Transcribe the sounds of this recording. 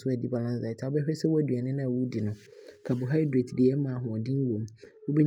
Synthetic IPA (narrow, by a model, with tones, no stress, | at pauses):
sʊ˦ɛ˨di˦ba˨lã˦nsa˨tʰa˨˦ɔ˦bɛ˦hᶣɛ˦sɛ˦wæ˦˨dɥa˨nɪ̃˦nã˦˨wu˦dɪ˨nʊ̃˦ | kʰa˨bʊ˨ɦa˦ɪ˦dɾe˨tdi˨ɛ˦mã˨ɦʊ̃˨ɔ˨dɪ̃˦ŋ̩˦wõ˨mwo˦be˦